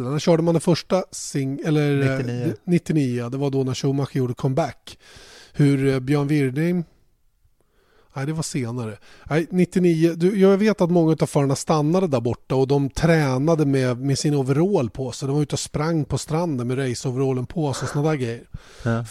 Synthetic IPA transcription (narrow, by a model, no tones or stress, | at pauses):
næɕœːɖəmand̪ɛfœʂʈasɪŋɛlːəɾd̪nɪt̪ːɪniːʊd̪ɛvaɖ̪ɔnæʂuːmaɧjuːɖəkʰɔmːbækːhɵɾbjœːɳvɪɾɖ̪ɪm | æɪd̪ɛvaʂeːnaɾə | æɪnɪt̪ːɪniːəd̪ɵjɑveːt̪at̪mɔŋːaʉ̟t̪av̥fœːɾaɳast̪anːad̪əd̪æɾbɔʈːaɔd̪ɔmt̪ʰɾɛːnad̪əmɛmɛsɪnɔvɾoːlpʰɔsɛjd̪ɛmvɾʉ̟ːt̪ɔspɾaŋːpʰɔst̪ɾand̪ənmɛɾɛjsɔvəɾoːlənpʰɔsɛsɔnad̪aɡɾɛjːəɾ